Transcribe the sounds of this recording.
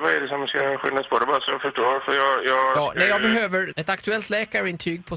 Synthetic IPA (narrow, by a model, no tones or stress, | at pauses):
vaɛɖɛsɔmskaɧʏ̰nːaspʰɔd̪ɛbɑːɾasɔjɑɡfœʂʈoːɾfœɾjɑːjɑːɡjɑːnɛjɑːɡbɛɦøːvəɾɛt̪akt̪ɵɛlt̪lɛːkaɾɪnt̪ʰyːɡ̚pʰɔ